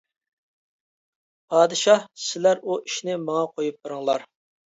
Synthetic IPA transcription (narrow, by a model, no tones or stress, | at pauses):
pʰɑːd̪ɨʃɑhsɪlæɾuiʃnɪmɑŋɑqʰojup̚bɨɾɨŋlˠɑɾ